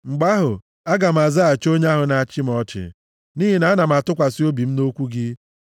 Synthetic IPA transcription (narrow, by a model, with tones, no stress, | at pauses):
ŋ͡m̩˨ɡ͡ba˦ɦʊ˨ | a˦ɡa˨m̩˨a˨za˦a˨t͡ʃo˦ɲa˦ɦʊ˨na˨a˨t͡ʃɪ˦mɔ˦t͡ʃɪ̰˨ | niː˦ɦi˨na˨a˦na˨m̩˨a˨tʊ˦kʷa˨si˦o˦bi˨m̩˦no˦kʷu˦ɡɪ˦